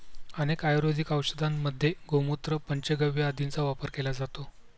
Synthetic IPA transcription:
ənekajɾod͡zikawɕəd̪amːəd̪ʱːjeɡomot̪ɾəpəɲt͡ɕeɡəʋjead̪ʱint͡saʋapəɾkelad͡zat̪o

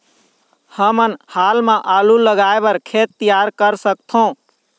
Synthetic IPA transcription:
həmənhalmẽʔaluləɡaebəɾkʰet̪ːijaɾkəɾsək̚t̪ʰõ

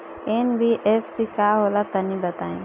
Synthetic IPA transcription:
eːnbʱiʔepʰsikaːɦoːlat̪ɐnĩbət̪aːḭ̃

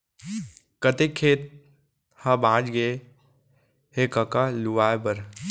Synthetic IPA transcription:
kət̪ekʰːeːt̪̚ | hãbãːd͡ʒɡe | hekəkaluʋaːebəɾ

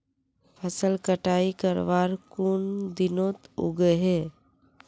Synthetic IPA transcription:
pʰəsəlkəʈaːikəɾʋaːɾkund̪inot̪o̰ɡəɦe

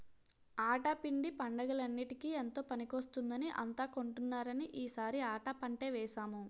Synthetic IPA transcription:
aːʈaːpiɳɖipɐɳɖɐɡɐlɐnːiʈikiːent̪o̞ːpɐnikost̪und̪ɐniʔɐ̰nt̪aːko̞ɳʈunːaːɾɐniʔiːsaːɾiaːʈaːpɐɳʈe̞ːʋɛːʃaːmu

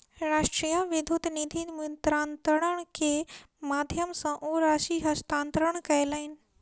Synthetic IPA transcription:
ɾaːʃʈɾijaʋɪd̪ʱud̪nid̪ʱinmunt̪ɾaːnt̪əɽ̃əɽ̃kʰe | maːd̪ʱjəmsãʔoɾaːʃiɦɐst̪ãːnt̪ɾəɽ̃kɐelaːɦɪnɪ̆

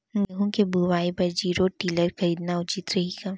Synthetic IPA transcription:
ɡɐɦũkebuʋaːipɐɾd͡ʒiːɾoʈiːləɾxɐɾiːd̪naʊt͡ʃit̪ɾɐɦika

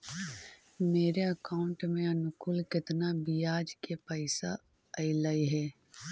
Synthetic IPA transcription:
meːɾeɐkaːʊ̃ɳʈmẽɐnʊkʊlkɪt̪nabijaːd͡ʒkepəɪsa̰ | ɐɪlaːiɦɛː

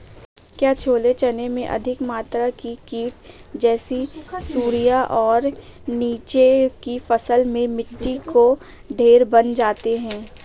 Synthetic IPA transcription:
kjaːt͡ʃʰoːlet͡ʃɐnemẽʔɐ̰d̪ʱɪkmaːt̪ɾakikiːʈd͡ʒɛːsisuːɾijaʔɔːɾniːt͡ʃekifɐsəlmẽmɪʈːiko | ɖʱeːɾbɐnd͡ʒaːt̪eɦɛ̃ː

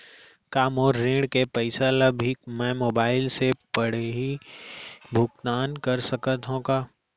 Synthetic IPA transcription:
kaːmɔːɾːẽːɖkepəɪsalɐbʱikmɛ̃ːmoːbaːɪlsepɐɽ̤eɦi | bʱʊkt̪aːnkɐɾsɐkət̪ɦõkaː

